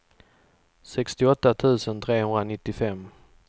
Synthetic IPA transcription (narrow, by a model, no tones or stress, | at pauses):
sɛkst̪ɪɔt̪ːat̪ʰʉ̟ːsənt̪ʰɾeːhɵnd̪ɾanɪt̪ːɪfɛmː